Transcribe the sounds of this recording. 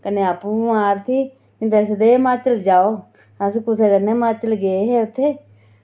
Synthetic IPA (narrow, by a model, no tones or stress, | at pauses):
kəneːapũːaːɾt̪ʰiː | ĩt̪ɛːs̬d̪eːmãːt͡ʃəld͡ʒaːoː | asikʊsʰeːkəneːmaːt͡ʃəlɡeeɦeːʊt̪ʰːeː